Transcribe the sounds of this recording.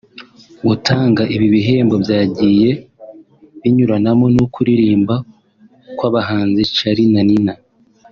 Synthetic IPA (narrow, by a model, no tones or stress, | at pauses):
ɡutʰaːŋɡaʔiβiβiɦe̞ːmbo̞bjaːɟiːje̞ | βiɲuɾanamo̞nukuɾiɾiːmba | kwaːβaɦaːnzet͡ʃaɾinanina